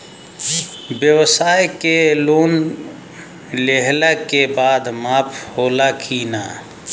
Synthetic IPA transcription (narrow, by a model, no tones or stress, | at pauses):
bjəwsajkeloːn | leɦlakebaːd̪maːpʰhoːlakʰina